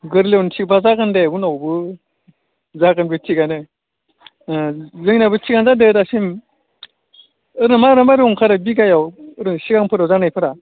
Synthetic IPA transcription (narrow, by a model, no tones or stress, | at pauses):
ɡɯɾlewnt͡ʃʰibazaɡɯndeɡunawbɯ | zaɡɯnbɯt͡ʃʰːiɡanɯ | zɯŋnabɯt͡ʃːiɡanzadɯdasim | ɯɾɯmaɾɯmaɾiuŋkʰaɾabiɡajawɯɾɯŋsiɡaŋpʰɯɾazanajpʰɯɾa